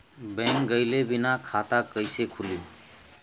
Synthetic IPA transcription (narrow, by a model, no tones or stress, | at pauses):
bɛ̃ŋkɡəjlebinakʰat̪akəjsekʰulim